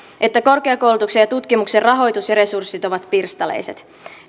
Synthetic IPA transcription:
ʔe̞t̪ːæko̞rkeɑko̞wlut̪uksejɑt̪ut̪kimukserrɑɦo̞jt̪usjɑɾe̞sursːit̪o̞ʋɑt̪pirst̪ɑlḛjse̞t̪

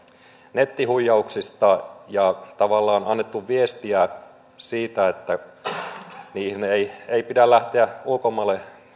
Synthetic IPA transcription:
net̪ːihujːɑuksist̪ɑjɑt̪ɑʋɑlːɑːnɑnːet̪ːuʋʋiest̪iæ | siːt̪æet̪ːæ | niːhineieipidælːæht̪eæulkomɑlːe

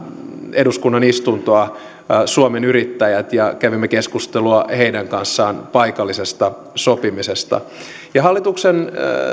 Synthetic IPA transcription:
eduskunːɑnist̪unt̪oɑ | suomenyrit̪ːæjæt̪jɑkæʋimːekeskust̪eluɑheidæŋkɑnsːɑːnpɑikɑlːisest̪ɑ | sopimisest̪ɑ̰ | jɑɦɑlːit̪uksen

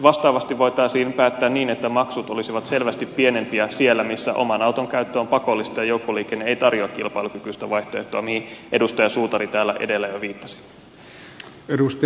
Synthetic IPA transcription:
ʋɑst̪ɑːʋɑst̪iʋʋo̞jt̪ɑisiːpæːt̪ːæːnniːnet̪ːæmɑksut̪o̞lisiʋɑt̪se̞lʋæst̪ipːie̞ne̞mpiæsie̞lːæmisːæ̰ʔo̞̰mɑnɑwt̪oŋkæyt̪ːøːmpɑko̞lːist̪ɑjɑjoukːoliːkenːeejt̪ɑrjoɑkːilpɑilukykyst̪æʋɑjht̪oḛht̪oɑmihiʔe̞dust̪ɑjɑsuːt̪ɑɾit̪æːlːæʔe̞̰de̞lːæjoʋiːt̪ːɑ̥si̥ | edust̪

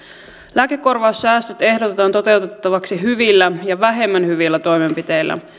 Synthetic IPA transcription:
læːkekːo̞rʋɑusːæːst̪øt̪e̞hdo̞t̪et̪ɑːnt̪o̞t̪e̞wt̪et̪ːɑʋɑksiɦyʋilːæjɑʋæɦe̞mːænhyʋilːæt̪o̞jme̞mpit̪e̞jlːæ̰

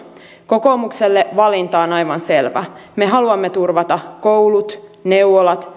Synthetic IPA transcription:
ko̞ko̞mukselːeʋɑlint̪ɑːnɑjʋɑnse̞lʋæ̰me̞ɦɑluɑmːet̪urʋɑt̪ɑko̞wlut̪ne̞uʋolɑt̪

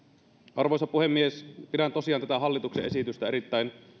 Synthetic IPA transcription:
ʔɑrʋojsɑpuhemːiespidænt̪o̞siɑːnt̪æt̪æɦɑlːit̪uksḛʔe̞sit̪yst̪æɾit̪ːæin

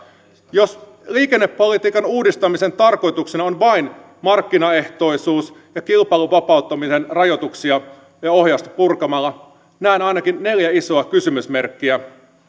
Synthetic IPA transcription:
jo̞s | liːke̞nːe̞pːo̞lit̪iːkɑnuːdist̪ɑmise̞nt̪ɑrko̞jt̪uksinɑonʋɑin | mɑrkːinɑe̞ht̪o̞isuːs | jɑkilpɑiluʋɑpɑˑut̪ːɑmise̞nrɑjo̞t̪uksiɑ | jɑo̞ɦjɑst̪ɑ̥purkɑmɑlːɑ | næinɑjnɑkinːe̞ljæiso̞ɑkysymysme̞rkːiæ

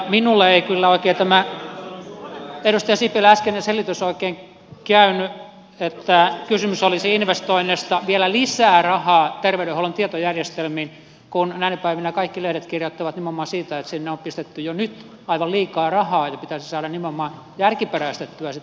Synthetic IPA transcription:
minulːeeikylːæoˑikeːt̪æmæ | edust̪ɑjɑsipelæskenenselːit̪ysoikeːŋ | kæyny | et̪ːækysymysolisiinʋest̪oinːest̪ɑʋielælisæːrɑhɑːt̪erʋeyɾeholːont̪iet̪ojærjest̪elmiːn | kunnæinæpæiʋinækɑikːilehiɾet̪kirjot̪ːɑʋɑt̪nimːeomːɑːsiːt̪æet̪sinːeompist̪et̪ːyjonyt̪ | ɑiʋɑlliːkɑːrɑhɑːjɑpit̪æsisɑːdɑnimːeomːɑn | jærkiperæst̪et̪ːyæsit̪

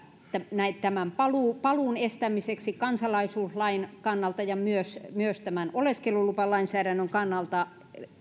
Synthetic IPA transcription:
t̪ænæitt̪æmæmpɑluˑpɑluˑnest̪æmiseksikɑnsɑlɑisuːslɑinkɑnːɑlt̪ɑjɑmyøsmyøst̪æmænoleskelulupɑlɑinsæːɾænːøŋkɑnːɑlt̪ɑ

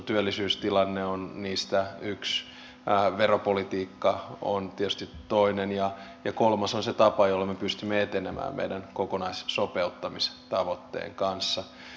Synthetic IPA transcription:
t̪yølːisyːst̪ilɑnːeonniːst̪æyks | ʋeropolit̪iːkːɑo̰nt̪iɛt̪y̥st̪it̪toinenjɑjɑkolmɑsonset̪ɑpɑjolːɑmepyst̪ymːeet̪enemʔæ̰ːmmḛidænkokonɑissopeut̪ːɑmist̪ɑʋot̪ːḛːŋkɑnsːɑ

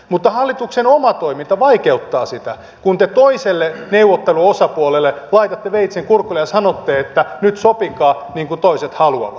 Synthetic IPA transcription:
mut̪ːɑhɑlːit̪uksenomɑt̪oimint̪ɑʋɑikeut̪ːɑːsit̪æ | kunt̪et̪oiselːeneuʋːot̪ːeluosɑpuolelːelɑit̪ɑt̪ːeʋeit̪seŋkurkːulejɑsɑnot̪ːeːet̪ːænyt̪sopikɑː | niːŋkut̪oiset̪hɑluɑ̰ʋɑt̪

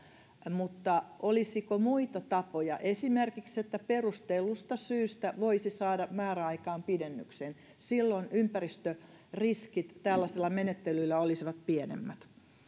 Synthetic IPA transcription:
mut̪ːɑʔolisikomuit̪ɑt̪ɑpojɑʔesimerkikset̪ːæperust̪eilːust̪ɑsyːst̪æʋoisisɑːdɑmæːræɑikɑːmpidenːyksen | silːonʔympærist̪ø | riskit̪tælːæselːɑmenet̪ːelyilːæolisiʋɑt̪pienḛmːæt̪

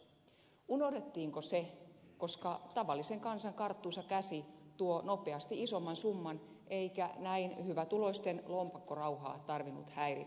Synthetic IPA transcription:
uno̞hdet̪ːiːŋkoseko̞skɑt̪ɑʋɑlːiseŋkɑnsɑŋkɑrt̪ːuːsɑkæsit̪uono̞peɑst̪iiso̞mːɑnsumːɑn | ʔeikænæinhyʋæt̪ulo̞ist̪enlompɑkːorɑuwɦɑ̰ːt̪ɑrʋinṵt̪hæirḭ

